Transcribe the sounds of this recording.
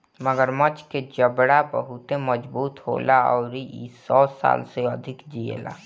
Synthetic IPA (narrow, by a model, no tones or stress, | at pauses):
məɡəɾmət͡ʃked͡ʒəbɽabəɦʊt̪ẽməd͡ʒbuːt̪ɦo̰ːlaɔːɾiisɔːsa̰ːlseəd̪ʱɪkd͡ʒiḛla̰ː